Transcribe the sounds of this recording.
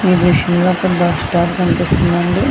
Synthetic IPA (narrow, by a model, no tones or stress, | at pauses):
iːd̪ʋiʃɐmloːɐkːɐɽɐbaːsʈaːʈkɐnipist̪und̪ɐɳɖi